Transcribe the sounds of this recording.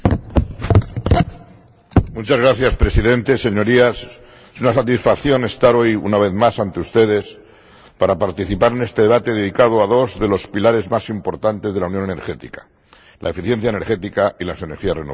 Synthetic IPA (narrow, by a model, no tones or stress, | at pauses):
mut͡ʃazɣɾaθjaspɾe̞siðẽ̞nt̪e̞se̞ɲo̞ɾias | esunasat̪isfakθjo̞ne̞st̪aɾo̞jṵnaβ̞eðmasant̪eust̪e̞ðe̞s | paɾapaɾt̪iθipaɾe̞ne̞st̪e̞ðe̞βat̪e̞ðeðikað̞oaðo̞zðe̞lo̞spilaɾe̞zmasimpo̞ɾt̪ant̪e̞zðelauwnjonene̞ɾxe̞t̪ḭkḁ | lʔa̰efiθje̞nθjaene̞ɾxe̞t̪ikailase̞neɾxiareno